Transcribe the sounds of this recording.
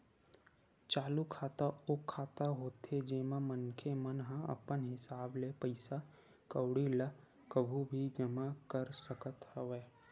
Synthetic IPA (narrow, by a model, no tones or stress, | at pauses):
t͡ʃaːlukʰaːt̪aʊkʰːaːt̪aɦoːt̪ed͡ʒeːmãmənkʰemənɦãə̰pənɦɪsaːblepəɪsa | kəwɽilə | kəbʱubʱid͡ʒɐmakəɾsəkət̪həʋeː